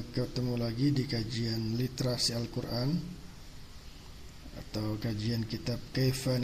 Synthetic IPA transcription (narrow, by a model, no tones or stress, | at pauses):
kət̪əmulaɡidikad͡ʒianlit̪eɾasialkuɾʔan | a̰t̪awkad͡ʒiankit̪ap̚kafan